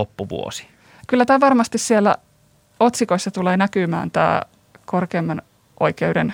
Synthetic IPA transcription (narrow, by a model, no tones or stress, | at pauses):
opːuʋṵo̰si̥ | kylːæt̪æːʋɑrmɑst̪issielːæ̰ | ot̪sikoisːɑt̪uleːnækymæ̰ːnt̪æ̰ː | korkeːmːɑn | ʔo̰ikeudḛn